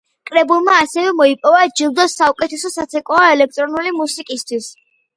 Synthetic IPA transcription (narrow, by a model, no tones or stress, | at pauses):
kʼɾɛbulˠmaːsɛvɛmɔipʼɔvad͡ʒilˠd̪ɔsːaukʼɛt̪ʰɛsɔsat̪sʰɛkʼɔaɛlɛk̚ʰt̪ʼɾɔnulimusikʼist̪ʰwis